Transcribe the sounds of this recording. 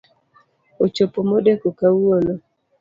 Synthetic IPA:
ot͡ʃopomodekokawolo

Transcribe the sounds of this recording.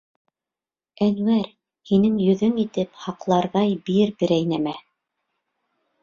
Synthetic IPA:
ænwæɾ | hinɘŋjɵ̆ðɵŋit̪ɘphɑqlˠɑɾðɑjbiɾbɘ̆ɾæjnæmæ

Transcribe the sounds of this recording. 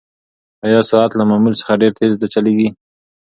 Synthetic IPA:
ajɑsɑat̪lamamulsə̥xaɖeɾt̪ʰezd̪at͡ʃaleɡi

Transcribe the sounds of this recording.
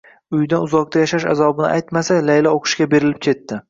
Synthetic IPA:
ʊjd̪anʊzɒq̚t̪ʰajaʃaʃa̰zɒbɪnɪ̰ʔajt̪masalajlaoqʰɨ̥ʃkʲabe̞ɾɪlɪp̚kʲʰe̞t̪ːɪ

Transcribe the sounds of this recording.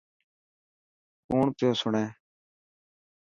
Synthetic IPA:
kuːɳt̪joːsʊɳẽː

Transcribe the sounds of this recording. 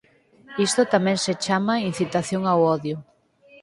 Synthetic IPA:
ist̪ʊt̪amɛ̃ŋset͡ʃamain̟θit̪aθjoŋawɔðjʊ

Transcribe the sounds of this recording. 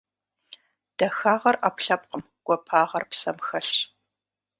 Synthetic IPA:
d̥ɐxaːʁɐrapɬɐp̚qəm | ɡ̥ʷɔpʰaːʁɐrpsɐmxɐɬ

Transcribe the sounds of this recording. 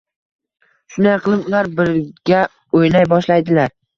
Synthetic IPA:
ʃʊnd̪ajqʰɨlˠɪpʊlaɾbɪɾɡʲa | ojnajbɒʃlajd̪ɪlaɾ

